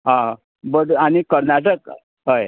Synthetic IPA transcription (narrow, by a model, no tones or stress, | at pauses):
ɦã | bəɽañikəɾnaʈək | ɦəj